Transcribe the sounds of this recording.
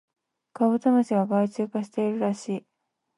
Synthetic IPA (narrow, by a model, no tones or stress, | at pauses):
kaβɯ̟t̪anoɕiɡaɡait͡ɕɨːkaɕi̥t̪e̞iɾɯ̟ɾaɕiː